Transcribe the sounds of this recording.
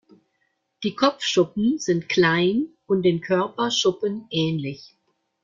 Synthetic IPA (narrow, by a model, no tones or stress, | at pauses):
d̥iːkʰɔp͡fʃʊpm̩z̥ɪntkl̥aɪn | ʊnt̚d̥eːnkʰœɐpɐʃʊpənʔɛːnlɪç